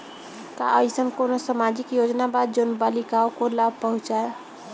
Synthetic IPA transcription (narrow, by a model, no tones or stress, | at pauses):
ka̰əjsənkonosəmad͡ʒikjod͡ʒnabad̪̚d͡ʒonbalikaokolab̚ʱpəɦũt͡ʃae